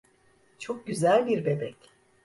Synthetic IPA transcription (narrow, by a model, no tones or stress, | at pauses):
t͡ʃʰo̞k̚ɟyzælʲbiɾbe̞bɛc